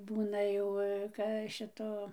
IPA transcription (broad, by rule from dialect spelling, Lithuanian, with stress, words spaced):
ˈbuːnɐ jɛʊ kɐ ˈʃʲɪtoː